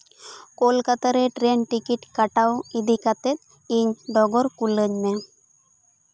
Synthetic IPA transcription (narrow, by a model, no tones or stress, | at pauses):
koːlkɐt̪ːɐɾeʈɾeːnʈikːiʈkɐʈːɐwid̪ikɐt̪ːet̪ | iɲɖɔɡoɾkulːeɲːe